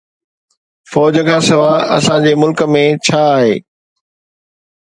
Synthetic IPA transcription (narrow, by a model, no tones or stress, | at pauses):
fɔːd͡ʑəkʰãːsɪʋaːɐ̰sãd͡ʑeːmʊlkəmẽt͡ɕʰaːɦeː